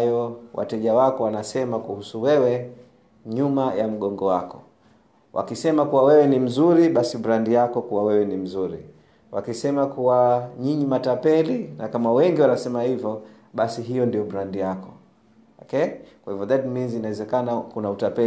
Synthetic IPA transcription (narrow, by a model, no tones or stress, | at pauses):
jɔwʔa̰tɛʄawakɔwanasɛmakuhusuwɛwɛ | ɲumajam̩ɠɔŋɡɔwakɔ̥ | wʔa̰kisɛmakuwawɛwɛnim̩zuɾiɓasiɓuɾandijakɔkuwawɛwɛnim̩zuɾi | wakisɛmakuwaɲiɲimatapɛlinakamawɛŋɡiwanasɛmahivjɔ | ɓasiɦijɔndijɔɓɾandijakɔ̥ | ɔkɛkwahivjɔðatminzinawɛzɛkanakunautapɛ